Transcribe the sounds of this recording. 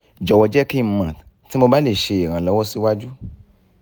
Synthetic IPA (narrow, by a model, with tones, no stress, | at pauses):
d͡ʒɔ˨wɔ˨d͡ʒɛ˦ki˦˧˨mã˨ti˨˦mo˧ba˦le˦˨ʃe˧e˨ɾ̃ã˨lɔ˨˦wɔ˦si˦wa˦d͡ʒu˦